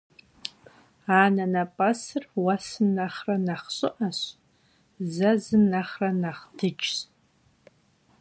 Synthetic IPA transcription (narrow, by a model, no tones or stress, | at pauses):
aːnanapʼasɨrwasɨnːaχranaχɕʷʼʊʔaɕ | zazɨnːaχranaχdʰɨt͡ʃs